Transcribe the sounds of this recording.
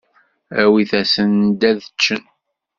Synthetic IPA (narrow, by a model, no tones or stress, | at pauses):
æwiθæsənd̪æðət͡ʃːən